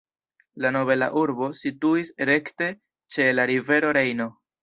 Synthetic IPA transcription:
lano̞βe̞la̰ʔuɾbo̞situiseɾe̞kte̞ | t͡ʃe̞laɾive̞ɾo̞ɾe̞jno̞

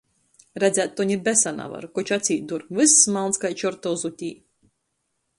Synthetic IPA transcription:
ɾæd̪zʲæt̪̚ːɔɲʲibɛsana̰va̰ɾkɔt͡ʃat̪siːt̪̚d̪uɾvɨsːmalˠnskajt͡ʃɔɾt̪ɔwzut̪ʲiː

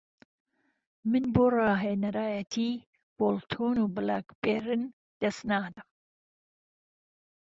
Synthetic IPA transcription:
mɨnboːrɑːɦenɐɾaːjɐt̪ʰi | b̥olt̪ʰuːnubɨlakpeːɾɨn | d̪̥ɐsnaːdɨm

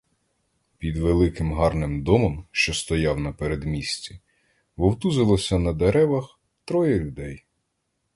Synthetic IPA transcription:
pʲid̪ʋelˠɪkɪmɦɑrnɪmd̪ɔmɔmʃt͡ʃɔst̪ɔjɑwnɐpeɾed̪mʲisʲt͡sʲi | ʋɔwt̪uzɪlˠɔsʲɐnɐd̪eɾɛʋɐx | t̪ɾɔjɐlʲʊd̪ɛj

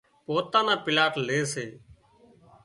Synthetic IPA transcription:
poːt̪ãːnãːpɪlaːʈleːseː

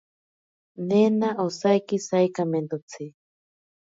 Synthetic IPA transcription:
nenaʔosajkisajkamend̪ot͡sʰi

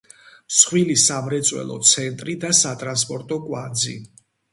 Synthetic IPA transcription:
msχwilisamɾɛt̪sʼwɛ̰lˠɔ̰t̪sʰɛnt̪ʼɾid̪asat̪ʼɾanspʼɔɾt̪ʼɔkʼwa̰nd̪zḭ

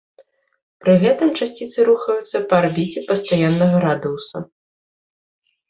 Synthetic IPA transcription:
pɾɨɣɛt̪ɨmt͡ʂasʲt͡sʲit̪sɨɾuxɐjut̪sːɐpɐːrbʲit͡sʲɛpɐst̪ajanːɐɣɐɾad̪ɨwsṵ

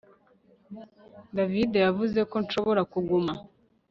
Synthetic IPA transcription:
davide̞javuze̞ko̞nʃo̞βo̞ɾakuɡuma

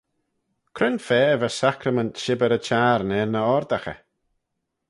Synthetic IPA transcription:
kʰɾɪnfɛːvəsakɾəməntʃɪbəɾət͡ʃʰaːɾnɛɹnəɔɾd̪axə̰

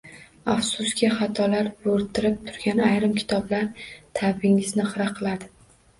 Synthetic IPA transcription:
afsʊskʲaχat̪ʰɒlaɾbɵɾt̪ʰɪɾɪp̚t̪ʰʊ̥ɾɡʲanajɾɪmkʲʰɪ̥t̪ʰɒblaɾt̪ʰabɪŋɪznɪχɨɾaqʰɨlˠad̪ɪ

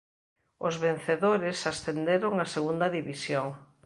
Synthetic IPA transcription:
ʊzβen̟θeðoɾɪsasθend̪eɾoŋaseɣund̪ɐðiβisjoŋ

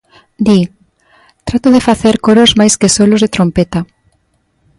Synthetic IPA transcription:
d̪i | t̪ɾat̪ʊðefaθeɾkoɾozmajskesolʊzðet̪ɾompet̪a

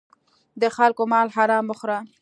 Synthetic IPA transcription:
d̪əxalkomɑlhaɾɑməxɾa

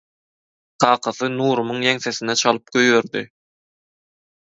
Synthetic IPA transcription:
qʰɑːqʰɑθɯnuːɾumɯŋjeŋsesinɛt͡ʃʰɑlˠɯp̚ɡ̥øjβeɾd̪i

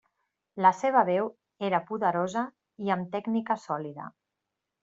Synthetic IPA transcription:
ləseβ̞əβɛw | eɾəpuðəɾozə | iəmt̪ɛɡnikəsɔliðə̰

